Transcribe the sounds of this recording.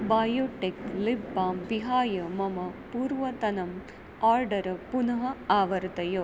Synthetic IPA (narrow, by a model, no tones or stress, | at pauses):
baːjoːʈek̪̚libːaːmʋiɦaːjɐmɐmɐpuːɾʋɐt̪ɐnɐm | aːɾɖɐɾɐpunɐɦɐaːʋɐɾd̪ɐjoː